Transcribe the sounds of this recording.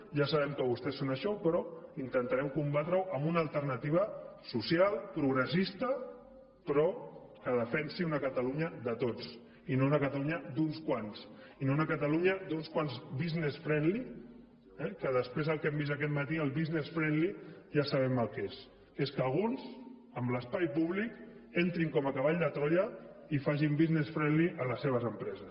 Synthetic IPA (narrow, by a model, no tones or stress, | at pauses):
ʒasaβ̞ɛmkəβ̞ust̪ɛsːonəʃɔpɾɔint̪ənt̪aɾɛmkumbat̪ɾəwʔəmbunəlˠt̪əɾnət̪iβ̞əsusialˠpɾuɣɾəsist̪ə | pɾɔ | kəðəfɛnsiunəkət̪əluɲəðət̪ot͡s | inounəkət̪aluɲəd̪unskwansinounəkət̪aluɲəd̪unskwanzβiznesfɾɛnli | ɛkəðəspɾezðəlˠkɛmbisək̬ɛt̪mət̪iəlˠβiznesfɾɛnliʒasəβ̞ɛməlˠkes | eskəlɣ̞unz | əmbləspajpuβlikent̪ɾiŋkɔməkəβ̞aʎd̪ət̪ɾɔjə | ifaʒimbiznesfɾɛnliʔələseβ̞əzəmpɾɛzəs